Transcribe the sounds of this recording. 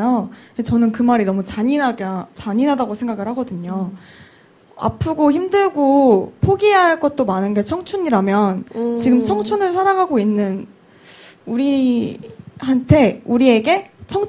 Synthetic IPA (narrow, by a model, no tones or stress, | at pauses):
joet͡ɕʌnɯnkɯmaɾinʌmut͡ɕaɲinaɡat͡ɕaɲinadaɡosʰe̞ŋɡaɡɯɭhaɡʌdɯɲo | a̰pʰɯɡoçimdɯɭɡopʰoɡiɦaɭk͈ʌt̚t͈omanɯnɡe̞t͡ɕʰʌŋt͡ɕʰuɲiɾamjʌnt͡ɕiɡɯmt͡ɕʰʌŋt͡ɕʰunɯɭsʰaɾaŋɦaɡoinːɯn | uɾi | hantʰe̞uɾie̞ɡe̞t͡ɕʰʌŋ